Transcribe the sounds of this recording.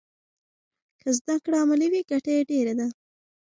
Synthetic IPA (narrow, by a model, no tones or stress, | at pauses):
kʰəzd̪akɽaamaliwiɡ̥aʈajeɖeɾad̪a